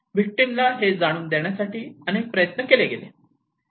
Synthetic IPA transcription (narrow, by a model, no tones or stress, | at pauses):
ʋik̚ʈimlaɦed͡zaɽ̃uːnd̪eɳjasaʈiːənek̚pɾəjət̪nəkeleɡelḛ